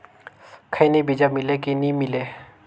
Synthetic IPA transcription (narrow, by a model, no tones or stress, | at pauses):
kʰəjnibid͡ʒamɪlekinimɪleː